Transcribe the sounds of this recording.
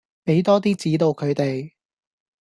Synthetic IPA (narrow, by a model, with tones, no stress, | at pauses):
pe˨˥jt̪ɔː˥t̪̬iː˥t͡siː˨˥t̪o˧wkʰɵ˨˧ɥt̪e˨j